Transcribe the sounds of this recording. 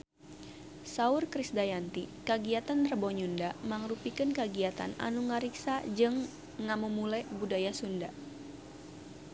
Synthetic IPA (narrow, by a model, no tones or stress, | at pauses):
saurkɾisdajant̪ikəɡiat̪ant̪ərbɔɲundamaŋɾupikənkəɡiat̪a̰na̰nuŋaɾiksad͡ʒɨŋː | amumulɛbudajasunda